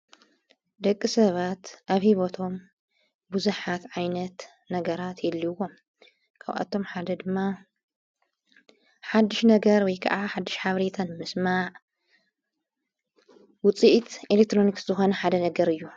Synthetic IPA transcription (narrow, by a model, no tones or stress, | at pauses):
d̪ɐkʼːisɐβat̪ʔaβhiβot̪ʰo̞m | buzuħat̪ʕajnɐt̪ | nɐɡɐɾat̪ʰjɛlːiwo̞m | kʰa̰βʔa̰t̪ʰo̞mħad̪ɐd̪ɨmːa | ħad̪ːiʃnɐɡɐɾwɔjkʰɐ̰ʔaħad̪ːiʃħaβɾet̪ʰanmɨsmaʕ | wʊt͡sʼiʔt̪elek̚t̪ɾo̞niksɨzɨxo̞nɐħad̪ɐnɐɡɐɾɨjːu